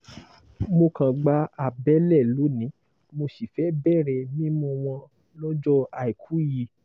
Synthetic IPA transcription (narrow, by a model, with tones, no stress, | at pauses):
mo˧kã˨ɡ͡ba˧a˨bɛ˨˦lɛ˦˨lo˨˦nĩ˨˦ | mo˧si˨fɛ˨˦bɛ˦˨ɾɛ˧˨nĩ˦mũ˧w̃ɔ̃˧ | lɔ̃˦d͡ʒɔ˦a˨i˨kʰu˨˦ji˧˨